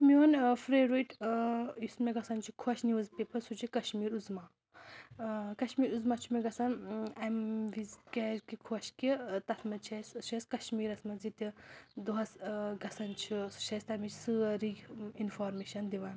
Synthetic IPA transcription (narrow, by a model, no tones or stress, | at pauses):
mionfɾeɾuʈ | ismeɡɐsɐnt͡ʃʰikʰoʃnizpepʰɐsut͡ʃʰikɐʃmiːɾuzmaː | kɐʃmiːɾuzmat͡ʃʰumeɡɐsɐnɐmʋizkʲɛzkikʰoʃkit̪ɐsmɐt͡ʃʰɐst͡ʃʰɐskɐʃmiːɾɐsmɐzit̪ʲid̪uɦɐsɡɐsɐnt͡ʃʰi̥t͡ʃʰɐsʲt̪ɐmit͡ʃʰsɨɾiinfaːɾmeʃɐnd̪iʋɐn